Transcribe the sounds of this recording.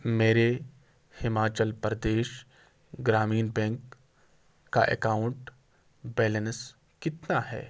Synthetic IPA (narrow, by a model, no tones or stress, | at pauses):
meːɾe | hɪmaːt͡ʃəlpɾd̪eːʃ | ɡɾaːmiːnbɛ̃ːŋkː | aʔḛkaːʊ̃ɳʈ | bɛːləns | kɪt̪naɦɛ̰ː